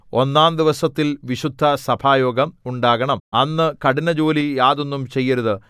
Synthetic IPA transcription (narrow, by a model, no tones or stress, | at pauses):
o̞nːaːnd̪iʋɐsɐt̪ːilʋiɕud̪ʱːɐsɐbʱaːjo̞ːɡɐmuɳɖaːɣɐɳɐmɐnːɨkɐɽinɐd͡ʑo̞ːlijaːðo̞nːumt͡ɕe̞jːɐɾuðɨ